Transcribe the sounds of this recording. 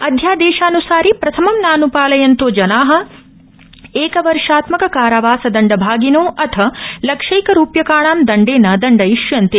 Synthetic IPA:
ɐd̪ʱjaːd̪eːʃaːnusaːɾipɾɐt̪ʰɐmɐmnaːnupaːlɐjɐnt̪oːd͡ʒɐnaːɦɐ̆ | eːkɐʋɐɾʂaːt̪mɐkɐkaːɾɐʋaːsɐd̪ɐɳɖɐbʱaːɡinoːʔɐt̪ʰɐlɐkʂɐjkɐɾuːpjɐkaːɳaːmd̪ɐɳɖeːnɐd̪ɐɳɖɐjiʂjɐnt̪e

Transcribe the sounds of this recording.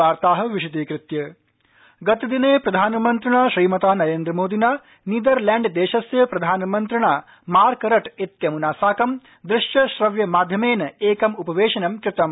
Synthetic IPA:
aːɾt̪aːɦɐ̆ʋiʃut̪eːkɾɪt̪jɐ | ɡɐt̪id̪ineːpɾɐd̪ʱaːnɐmɐnt̪ɾiɳaːʃɾiːmɐt̪aːnɐɾeːnd̪ɾɐmoːd̪inaː | niːd̪ɐɾlaːɳɖd̪eːʃɐsjɐpɾɐd̪ʱaːnɐmɐnt̪ɾiɳaː | maːɾkɐɾɐʈit̪jɐmunaːsaːkɐm | d̪ɾɪʂjɐʃɾɐʋjɐmaːd̪ʱjɐmeːnɐeːkɐmupɐʋeːʃɐnɐmkɾɪt̪ɐm

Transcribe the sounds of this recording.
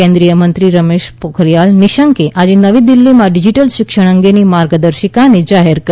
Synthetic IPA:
ẽnd̪ɾijəmənt̪ɾiɾəmeʃpokʰəɾijalniʃəŋkeʔad͡ʒenəʋid̪ilːimãɖid͡ʒiʈəlʃɪkʃəɽ̃əŋɡenimaɾɡəd̪əɾʃikaned͡ʒaɦeɾkə

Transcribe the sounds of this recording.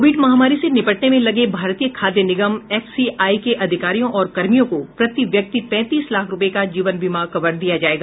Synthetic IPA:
biːʈmɐɦaːmaːɾisenɪpəʈnemẽlɐɡebʱaːɾt̪ijəkʰaːd̪jənɪɡəmɛːfsiaːikeʔɐd̪ʱɪkaːɾijõʔɔːɾkɐɾmijõkopɾɐt̪iʋjɐk̚t̪ipɛ̃ːt̪iːslaːkʰɾʊpekad͡ʒiːʋənʋɪmaːɾkɐʋəɽd̪ijad͡ʒaːeːɡaː

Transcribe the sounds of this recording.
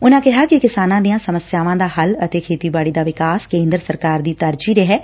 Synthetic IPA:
ʊnãkɛɦakikɪsaːnãd̪ijãsɐməsjaːʋãːd̪aːɦɐlɐt̪ekʰeːt̪ibaːɽid̪aːʋɪkaːskẽːnd̪ɾəsəɾkaːɾd̪iːt̪əɾd͡ʒiɾɛɦɛː

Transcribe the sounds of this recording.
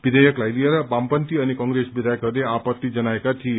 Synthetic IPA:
bid̪ʱəjəklajlieɾabampənt̪iənekɔ̃ŋɡɾesbid̪ʱajəkəd̪eapət̪ːid͡ʒənaekat͡ʃʰie

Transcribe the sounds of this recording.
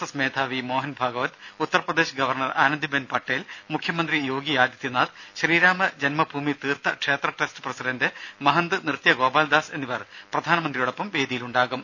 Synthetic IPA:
ɐsmeːd̪ʱʰaːʋimo̞ːɦɐnbʱaːɡɐʋɐt̪ut̪ːɐrprɐd̪eːɕɐɡɐʋɐrɳɐra̰ːnɐnd̪ibenpɐʈːeːlmukʰjɐmɐnd̪rijo̞ːɡijaːd̪jɐt̪ːjinaːd̪ɕɐɾiːɾaːmɐd͡ʑɐnmɐbʱuːmit̪iːrt̪ɐkʂeːt̪rɐʈestɨ̥prɐsiɖɐndɨmɐɦɐnd̪ɨnirt̪jɐɡo̞ːbaːld̪aːse̞nːiʋɐrprɐd̪ʱaːnɐmɐnd̪rijuːɽopːɐmʋe̞ːd̪ijiluɳɖaːɣum

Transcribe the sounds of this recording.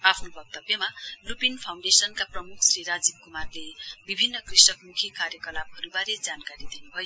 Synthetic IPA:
apʰnobʌk̚t̪ʌbjʌmalupinpʰaw̃ɳɖesʌnkaprʌmukʰsriɾad͡zib̚kumarlebibʱinːʌkrisʌkmukʰikarjʌkʌlabɦʌɾubaɾed͡zankaɾid̪inubʱʌjo

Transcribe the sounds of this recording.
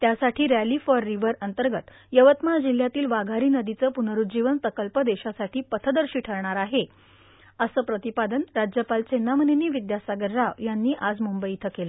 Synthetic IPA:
t̪jasaʈʰiːɾælifɔɾːiʋəɾənt̪əɾɡət̪ | jəʋət̪mad͡ʑil̤ːjat̪iːlʋaɡʱaɾiːnəd̪it͡səːpunəɾut̪d͡ʑiʋənpɾəkəlpəd̪eɕasaʈʰiːpət̪ʰəd̪əɾɕiːʈʰəɾɳaɾaɦe | əsəːpɾət̪ipad̪ənɾad͡ʑjəpalt͡senːaməneniːʋid̪jasaɡəɾːaʋjanːiːʔad͡zmumbəjit̪ʰəkelə

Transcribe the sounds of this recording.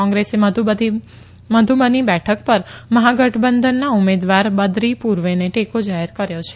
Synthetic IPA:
ɔ̃ŋɡɾesemud̪ʱi | məd̪ʱumənibɛʈʰək̚pəɾməɦaɡəʈʰbənd̪ʱənːaumed̪ʋaɾbəd̪ɾipuɾʋeneʈekod͡ʒaɦeɾkəɾjot͡ʃʰe

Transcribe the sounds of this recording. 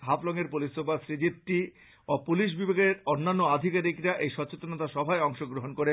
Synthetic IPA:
ɦablɔŋeɾpulisobasɾid͡ʑip̚ʈi | opuliʃ̬bibʱeɡeɾonːanːoad̪ʱikaɾikɾaʔejʃɔt͡ɕot̪onot̪aʃɔbʱaeɔŋʃoɡɾoɦonkoɾe

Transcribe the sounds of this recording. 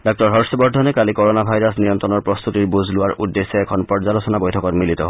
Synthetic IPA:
dɔk̚tɔɹɦɔɹsɔbɔɹdʱɔnɛkalikɔɹɔnabʱajɹasnijɔnt̪ɹɔnɔɹpɹɔst̪utiɹbuzlʊwaɹʔudːesːeɛkʰɔnpɔɹzalosɔnabojtʰɔkɔtmilit̪ɔ

